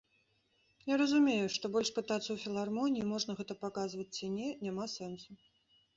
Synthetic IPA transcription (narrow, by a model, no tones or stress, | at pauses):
jaɾɐzumʲejuʂt̪ɔbɔlʲʂpɨt̪at̪sɐwfʲilˠarmɔnʲiimɔʐnɐɣɛt̪ɐpakazvɐt͡sʲt͡sʲinʲɛnʲamasɛnsu